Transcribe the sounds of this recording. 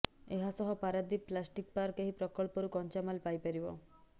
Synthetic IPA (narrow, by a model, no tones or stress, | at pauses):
eɦasɔɦɔpaɾad̪iplasʈik̚paɾɔkeɦipɾɔkɔɭpɔɾukɔnt͡ʃamalpajpeɾibɔ